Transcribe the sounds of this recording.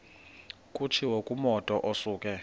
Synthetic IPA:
kʼut͡ʃʰiwokʼumɔtʼɔʔosuːkʼɛ

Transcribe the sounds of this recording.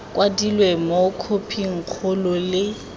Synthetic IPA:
kʼwadilwemokʰopʰiŋ̩k͡xʰʊlʊlɪ

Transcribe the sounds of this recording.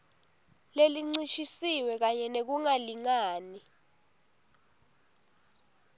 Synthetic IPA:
leliŋ͡ǀiʃisiwɛk̬aɲɛnek̬uŋaliŋaːni

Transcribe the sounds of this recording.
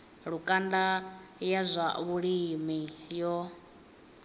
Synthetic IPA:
ɺukʼandajazʷa̰βuɺimijɔ

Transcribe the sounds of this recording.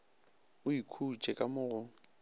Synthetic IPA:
ʊikʰut͡ʃʼɛkʼamʊːɣʊ

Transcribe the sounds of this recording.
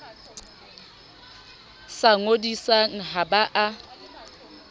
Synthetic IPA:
saŋodisaŋ̩ɦabaʔa

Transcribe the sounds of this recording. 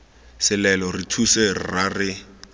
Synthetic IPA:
sɪlɛlɔritʰuserɪ̰rarɪ

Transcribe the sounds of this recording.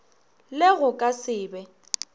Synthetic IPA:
lɪɣʊkʼasɪːbɛ

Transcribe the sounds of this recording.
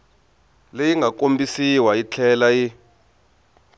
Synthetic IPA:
lejiŋɡʱakombisiwait͡ɬʰɛlaji

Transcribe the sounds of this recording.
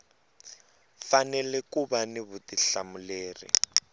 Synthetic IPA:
fanɛlɛkubanɪβutiɬamuleːrḭ

